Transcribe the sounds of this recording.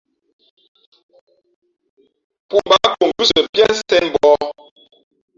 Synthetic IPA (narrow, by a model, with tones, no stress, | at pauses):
pu˦˨ba˦ko˨m˨vʉ˦sə˨pjɛ˦n˦sɛ˦n˨bɔ˦